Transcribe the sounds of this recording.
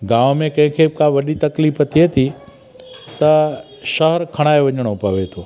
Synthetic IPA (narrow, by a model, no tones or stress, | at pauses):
ɡaːʋmẽkɐ̃ɦɪ̃kʰebɪkãʋɐɗit̪ɐkliːft̪ʰiet̪ʰi | t̪ɐ | ʃɐɦəɾkʰɐɽ̃aːeʋɐɲɽ̃opɐʋet̪ʰoː